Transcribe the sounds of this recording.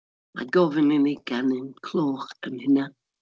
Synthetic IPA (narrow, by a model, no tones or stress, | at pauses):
a̰ɡɔvɪnɪniɡ̥anɪnkʰl̥ɔːxənhɪna